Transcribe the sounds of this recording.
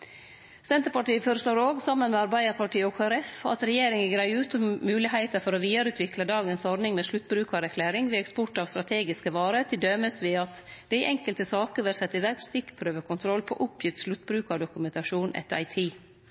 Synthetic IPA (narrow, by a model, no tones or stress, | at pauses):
sɛnt̪əɾpɑʈiːəfoːɾəsloːɾoːɡsɑmːənmɛɑɾbæɪəɾpʰɑʈiːɔkʰoɾɛfɑ̰t̪ɾɛjeːɾɪŋəɡɾæɪʉːt̪ʊmmʉːlɪhæɪt̪əfɔɾɔʋiːd̪ɑɾʉːt̪ʰʋɪkləd̪ɑːɡənsɔɾnɪŋmɛːʃlʉt̪ːbɾʉːkɑɾɛkʰlæːɾɪŋʋɪɛkspʊʈɑːʋst̪ɾɑt̪ʰeːɡɪskəʋɑːɾət̪ʰɪld̪œməsʋɪɑt̪d̪̥æɪʔɛŋkəlt̪əsɑːkəɾʋɛɾsɛt̪ːəɪʋæɾkst̪ɪkːpʰɾøːʋəkʰʊnt̪ʰɾɔlːpʰɔ̰ʔʊpʰjɪt̪ʃlʉt̪ːbɾʉːkɑɖʊkʉmɛnt̪ɑʂuːnʔɛ̰t̪ɑ̰ɪt̪ʰiː